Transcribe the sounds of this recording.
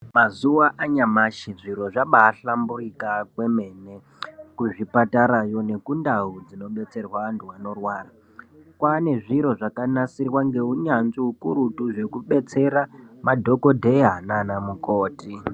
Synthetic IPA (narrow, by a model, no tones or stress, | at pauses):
mazuwaʔaɲamaʃiʐiɾo̞ʐaɓaːɬamburikakwe̞me̞ne | kuʐipataɾajo̞ne̞kundaud͡zino̞ɓe̞t͡se̞rwantuwano̞rwaːra | kwane̞ʐiɾo̞ʐakanasirwaŋɡe̞uɲanziukuɾutuʐe̞kuɓe̞t͡se̞ɾamadʱo̞ko̞dʱe̞ɦananamuko̞ːti